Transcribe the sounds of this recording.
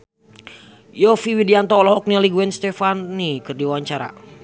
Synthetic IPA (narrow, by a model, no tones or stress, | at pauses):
jɔfiwidiant̪ɔɔlɔɦɔk̚nialiɡuɛnst̪ɛfanːikɨrdiwawaɲt͡ʃaɾa̰